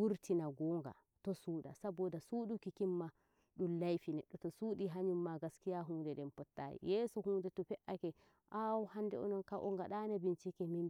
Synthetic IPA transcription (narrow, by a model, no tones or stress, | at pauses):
buɾtinaɡɔːŋɡa̰ | tɔsuːɗa̰sabɔdasuɗukikimːa | ɗumlajfinɛɗːɔtɔsuːɗiɦaɲumːaɡaskijaɦuːndɛɗɛmpɔtːa̰jḭjɛːsɔhuːndɛtɔpɛʔakɛ | ʔawuhandɛɔ̰nɔnkaʔɔŋɡaɗanabint͡ʃikɛmin